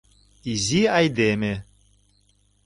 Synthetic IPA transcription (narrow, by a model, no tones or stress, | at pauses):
iziajd̪emɘ